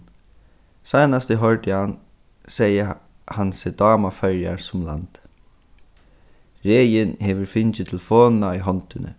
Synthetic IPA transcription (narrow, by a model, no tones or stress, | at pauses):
sajnast̪əɦœɹd̪ɪhan | sɛjə | hansɪd̪ɑːmafœɾja̰ɹsʊmla̰nt̪ | ɾeːjɪnhɛːʋʏɾfɪnt͡ʃɪt̪ʰɪlfɔːnnaʏɦɔnt̪ɪnʔə̰